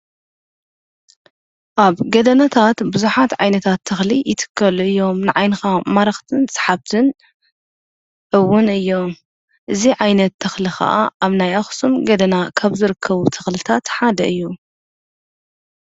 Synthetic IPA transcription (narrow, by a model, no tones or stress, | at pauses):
ʔaβɡɐd̪ɐnat̪ʰat̪bɨzuħat̪ʕajnɐt̪ʰat̪ʰːɐxlijɪt̪ʰɨ̥kʰːɐlɨjːo̞mnɨʕajnɨxamaɾɐxt̪ʰɨnsʼɨ̥ħaβt̪ʰɨn | ʕɨwːʊnɨjːo̞m | ʔɨziʕajnɐt̪ʰːɐxlixɐ̰ʔa̰ʔaβnajaxsumɡɐd̪ɐnakʰaβzɨɾɨkʰːɐβut̪ʰɐ̥xlɨt̪ʰat̪ħad̪ɐʔɨjːu